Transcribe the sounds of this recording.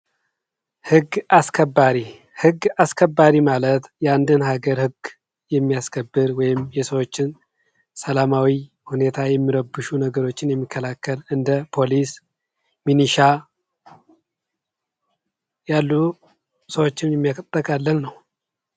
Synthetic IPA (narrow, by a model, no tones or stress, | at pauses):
hɨɡaskʰəbːaɾi | hɨɡaskʰəbːaɾimalət̪jɛand̪ɨnhaɡəɾhɨɡ | jɛmːijaskʰəbːɨɾwɔjɪmjɛsəwo̞t͡ʃːɪn | səlamawi | hune̞t̪ʰajɛmːiɾəbːɨʃunəɡəɾo̞t͡ʃːɪnjɛmːikʰːəlakʰːəlɨnd̪əpʰo̞lis | miniʃa | jalːu | səwo̞t͡ʃːɪnjɛmːijakʰʼət̪ʼːəkʼalːənnəw